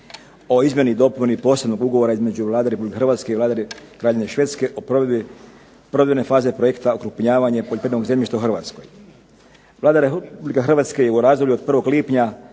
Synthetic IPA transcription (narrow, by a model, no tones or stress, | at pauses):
o̞izmʲje̞nid̪o̞ponipo̞ːse̞bno̞ɡuɡo̞ʋoɾaizmed͡ʑuʋlˠaːd̪aɾepublikexrʋaːt̪ske̞iʋlaːd̪aɾekɾaːʎeneʃʋet̪ske̞ʔo | pɾod̪dene̞faːze̞pɾojekt̪aokɾupɲaːʋaɲepoʎʲepɾed̪noɡzemjʲiʃt̪auxr̩ʋat̪sko̰j | ʋlaːd̪aɾeppublikaxr̩ʋaːt̪skejeuɾaːzd̪olʎuod̪pr̩ʋo̞ɡliːpɲa